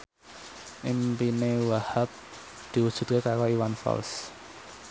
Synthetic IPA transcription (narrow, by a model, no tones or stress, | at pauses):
ʔimpinewahap̚ | d̪̥i̤wud̥ʒ̥ṳt̪̚kekaɾoiwanfɔ̰ls